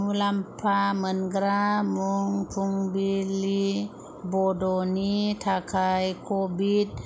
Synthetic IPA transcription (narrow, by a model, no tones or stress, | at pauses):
ulampʰamənɡɾamuŋpʰuŋbili | bodonit̪ʰakʰajkʰobit̪̚